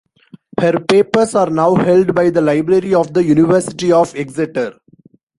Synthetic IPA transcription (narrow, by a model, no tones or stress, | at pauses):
həɾpeːpəɾsaːɾnaʊhɛlɖbaɪd̪əlaɪbɾəɾiɔːʋd̪əjunɪʋəɾsɪʈiɔːʋeksɪʈəɾ